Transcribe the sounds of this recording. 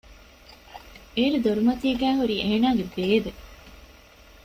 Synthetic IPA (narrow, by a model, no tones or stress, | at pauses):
eːɾud̪oɾumɐt̪ieɡæːɦuɾiːʔeːnaːɡebeːʋe